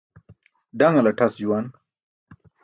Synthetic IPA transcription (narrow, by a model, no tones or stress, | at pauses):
ɖaŋɐlaʈʰɐsd͡ʑuwan